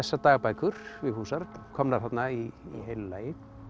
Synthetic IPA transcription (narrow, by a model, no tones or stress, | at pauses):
ɛsːat̪aːɣapaːjkʰʏɾ̥vɪðhuːsaɾkʰɔmnaɾ̥θat̪naiːɦejllaːjɪ